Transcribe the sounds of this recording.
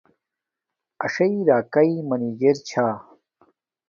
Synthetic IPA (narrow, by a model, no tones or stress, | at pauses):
ɐʂɐiɾaːkɐimɐniɡeɾt͡ɕʰaː